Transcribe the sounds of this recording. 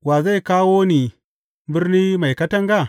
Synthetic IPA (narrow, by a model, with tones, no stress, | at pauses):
waː˨za˦˨jkaː˦woː˦ni˨ | bɪ˦rniː˦ma˨jkɐ˦tɐ˦ŋɡa˦˨